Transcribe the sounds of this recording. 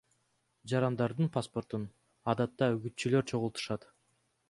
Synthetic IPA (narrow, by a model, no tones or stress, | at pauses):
d͡ʒɑɾɑnd̪ɑɾd̪ɯnpʰaspo̞rt̪un | ɑd̪ɑt̪ːɑyɡyt̪t͡ʃylø̞ɾt͡ʃʰo̞ʁulˠt̪u̥ʃɑt̪